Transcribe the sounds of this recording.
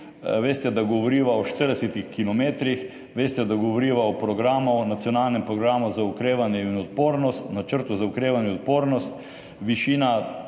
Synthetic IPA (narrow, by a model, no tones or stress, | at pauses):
ʋeːst̪ɛd̪aɡɔʋɔɾiːʋaɔʃt̪əɾd̪ɛset̪ixkilɔmeːt̪ɾix | ʋeːst̪ɛd̪aɡɔʋɔɾiːʋaɔpɾɔɡɾamunat̪sjɔnaːlnɛmpɾɔɡɾaːmuzaukɾeːʋanjɛinɔt̪̚poːɾnɔst̪nat͡ʃəɾt̪uzaukɾeːʋanjɛɔt̪̚poːɾnɔst̪ | ʋiʃiːna